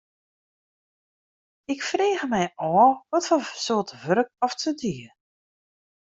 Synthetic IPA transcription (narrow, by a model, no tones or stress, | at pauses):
ɪkfreːɣəmɛjʔɔːʋɔtfɔsoətəvøɾək̚ɔftʰədiə